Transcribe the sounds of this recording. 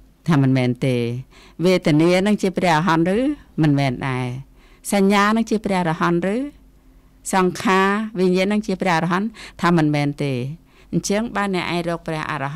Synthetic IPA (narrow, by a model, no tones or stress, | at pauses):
t̪ʰaːmɨnmɛːnt̪eːʋeːt̪ɛ̆əniənɨŋt͡ɕiəprɛ̆əhrɔɦɑnrɨːmɨnmɛːnɗaɛ | saɲːaːnɨŋt͡ɕiəprɛ̆əhrɑhɑnrɨː | sɑŋkʰaːʋiɲiənɨŋt͡ɕiəprɛ̆əhrɔɦɑnt̪ʰaːmɨnmɛːnt̪eː | ɲt͡ɕəŋɓaːənːɛ̆əʔa̰ɛŋrɔːk̚prɛ̆əhʔa̰ːrɑɦ